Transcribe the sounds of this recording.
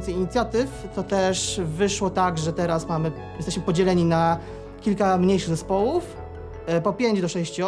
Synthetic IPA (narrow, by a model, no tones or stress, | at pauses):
nt̪sɛjiɲit̪sʲjat̪ɘft̪ɔt̪ɛʂvɘʂwɔt̪aɡʐɛt̪ɛɾasmamɘ | jɛst̪ɛɕmɘpɔd͡ʑɛlɛɲina | kʲilkamɲejʂɘɣzɛspɔwuf | pɔpʲjeɲd͡ʑd̪ɔʂɛɕt͡ɕ